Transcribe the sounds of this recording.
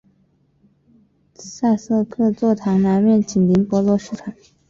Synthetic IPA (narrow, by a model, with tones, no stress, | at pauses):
sa˥˧sɤ˥˧kʰɤ˥˧t͡swɔ˥˩t̪ʰɑ˧˥ŋna˧˥nmjɛ˥˩nt͡ɕi˨˩nli˧˥ŋpwɔ˧˥lwɔ˧˥ʂɻ̩˥˩ʈ͡ʂʰɑ˨˩˦ŋ